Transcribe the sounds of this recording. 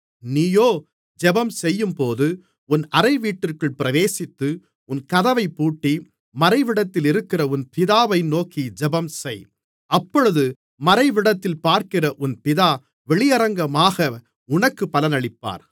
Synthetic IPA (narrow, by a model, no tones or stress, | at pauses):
niːjoː | d͡ʒɛbɐmsɛjːɯmpoːðɯ | ʊnɐɾɐɪʋiːʈːɪrkɯɭpɪɾɐʋeːsɪt̪ːɯ | ʊnkɐðɐʋɐɪpːuːʈːi | mɐɾɐɪʋɪɽɐt̪ːɪlɪɾɯkːɪrɐʊnpɪðaːʋɐɪnoːkid͡ʒɛbɐmsɛj | ɐpːɔɻɯðɯ | mɐɾɐɪʋɪɽɐt̪ːɪlpaːɾkɪrɐʔʊnpɪðaː | ʋɛɭɪjɐɾɐŋɡɐmaːɣɐ | ʊɳɐkːɯpːɐlɐnɐɭɪpːa̰ːɾ